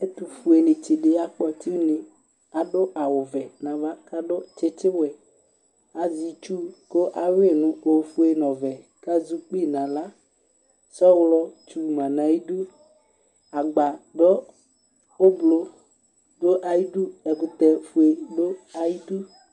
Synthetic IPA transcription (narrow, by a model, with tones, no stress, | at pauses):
e˦t̪u˨fu˨e˨nɪ̃˨t͡ʃɪ˨ɖɪ˨a˨k͡pɔ˨t̪i˦nɪ̃˨ | a˨ɖʊ˦ʔa˨wʊ˨vɛ˨nã˨va˦ka˦ɖʊ˦t͡ʃɪ˦tɪ˦wɛ˨ | a˨zi˨t͡ʃu˦ko˦ʔa˨we˦˨nʊ̃˦o˨fu˦e˨nɔ̃˨vɛ˨ | ka˦zu˦k͡pi˦˨nã˨la˦ | sɔ˦wlɔ˦t͡ʃu˨mã˨nã˨i˦du˦ | a˨ɡ͡ba˨d̪ɔ˦ | o˦blo˦ | do˦ʔa˨ji˦du˦ɛ˨kʊ˨t̪ɛ˨fu˨e˨do˦a˨ji˦du˦